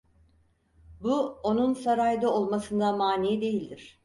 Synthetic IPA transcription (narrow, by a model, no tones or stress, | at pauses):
buo̞nunsaɾajd̪ao̞lˠmasɯnd̪amaːniːid̪e̞jilʲd̪iɾ̝̥